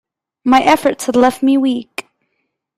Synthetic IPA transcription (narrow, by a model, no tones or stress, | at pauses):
maɪʔɛfə˞tshədˡlɛft̚miwik